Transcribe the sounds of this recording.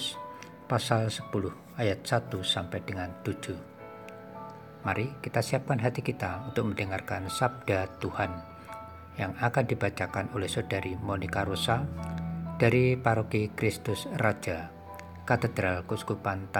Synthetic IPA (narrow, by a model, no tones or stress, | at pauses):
pasalsə̥pulʊh | ajat̪̚sat̪usampajdəŋant̪u̥d͡ʒ̥u | maɾikit̪asiap̚kanɦat̪ikit̪aunt̪ʊk̚məndəŋarkansab̚d̥at̪uhan | jaŋakandibat͡ʃakanolɛhsod̥aɾimonikaɾosa | d̥aɾipaɾokikɾɪst̪ʊsrḁd͡ʒ̥a | kat̪əd̪ɾalkusu̥kupant̪